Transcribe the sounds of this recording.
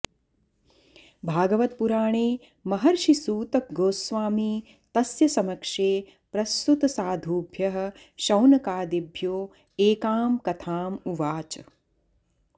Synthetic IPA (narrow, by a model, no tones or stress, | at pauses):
bʱaːɡɐʋɐt̪̚puɾaːɳeː | mɐɦɐɾʃisuːt̪ɐk̚ɡoːsʋaːmi | t̪ɐsjɐsɐmɐkʂeː | pɾɐst̪ut̪ɐsaːd̪ʱuːbʱjɐɦɐ̆ | ʃɐwnɐkaːd̪ibʱjoː | eːkaːmkɐt̪ʰaːmuʋaːt͡ʃɐ